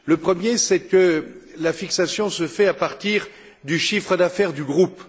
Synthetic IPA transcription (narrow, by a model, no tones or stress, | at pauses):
ləpχəmjesɛkəlafiksasjɔ̃səfɛapaʁt̪iʁ | d̪yʃifχəd̪afɛʁd̪yɡʁup